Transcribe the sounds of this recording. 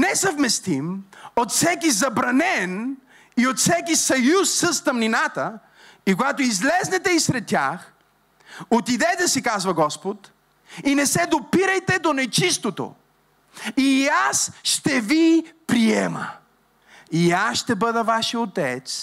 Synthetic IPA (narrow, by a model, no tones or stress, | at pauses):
nɛsɐvmɛst̪imot̪fsɛkizɐbɾɐnɛn | iot̪fsɛkisɐjusːəst̪ɐmninat̪ə | ikoɡat̪oizlɛznɛt̪ɛisɾɛt̪ːʲjax | ot̪id̪ɛt̪ɛsikazvɐɡɔspot̪ | inɛsɛd̪opiɾəjt̪ɛd̪onɛt͡ʃist̪ot̪o̰ | iasʃt̪ɛvipɾiɛmə | iasʃt̪ɛbɤd̪əvaʃəot̪ɛt̪s